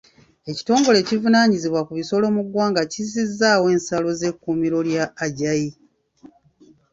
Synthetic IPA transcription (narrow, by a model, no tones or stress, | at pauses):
e̞ci̥to̞ːŋɡo̞le̞civunaːɲiziβwakuβiso̞lo̞muɡwaːŋɡacizizːaːwe̞ːnsalo̞ze̞kːuːmiɾo̞ljaːɟaji